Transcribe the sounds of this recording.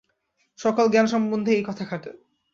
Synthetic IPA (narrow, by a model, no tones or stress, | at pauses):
ʃɔkalɡɛnʃɔmbond̪ʱeejkɔt̪ʰakʰaʈe